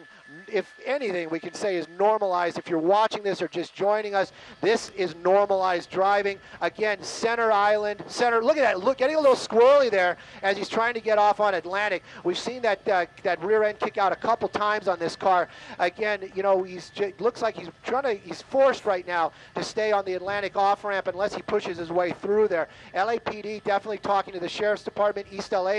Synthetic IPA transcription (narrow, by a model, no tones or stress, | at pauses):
ɪfɛniθɪ̃ŋwikɨ̃nseɪɨznɔɹməlaɪzdɨfjə˞wɑt͡ʃɪ̃ŋðɪsə˞d͡ʒʌsd̥ʒ̥ɔ̃ɪ̃ñɪ̃ŋʌs | ðɪsɪznɔɹməlaɪzdɹaɪvɪ̃ŋɨɡɛ̃nsɛ̃ñə˞aɪlˠɨ̃nd̥sɛ̃ñə˞lʊkɨt̪̚ðɨtˡlʊɡ̥ɛɾɪ̃ŋəlɪɾl̩ˠskwɛ˞lˠiðə˞ɨz̥iz̥tʰɹ̥aɪɪ̃ŋtʰɨɡɛɾɔfn̩ɨtˡlæ̃ɾ̃ɨkwiv̥sĩnðɨt̚ʌðɨt̚ɹɪɹɛ̃nkʰɪkaʊɾɨkʰʌpl̩ˠtʰãɪ̃mzn̩ðɪskʰɑɹʔɨɡɛ̃njɨñoʊizd͡ʒʌlʊkslaɪkhiztʰɹ̥aɪɪ̃ŋtɨiz̥fɔɹst̚ɹaɪtⁿnaʊ | ɾɨsteɪə̃nðiɨtˡlæ̃ɾ̃ɨkɔfɹæ̃mpɨ̃nlɛshipʰʊʃɨzɨzweɪθɹʉðə˞ | ɛlˠeɪpʰiɾidɛfənətˡlitʰɔkɪ̃ŋtʰɨðɨʃɛɹɨfsd̥ɨpʰɑɹt̚mɨ̃ntistɛlˠeɪ